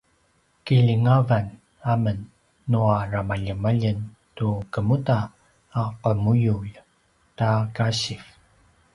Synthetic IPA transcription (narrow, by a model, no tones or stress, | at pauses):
kiʎiŋavan | amənː | uaramaʎəmaʎən | tukəmutaː | qəmujuʎ | takaɕif